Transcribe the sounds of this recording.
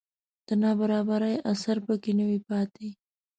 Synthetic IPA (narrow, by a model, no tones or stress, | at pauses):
d̪̥ənɑbaɾɑbaɾajasaɾpəkenəwipɑt̪e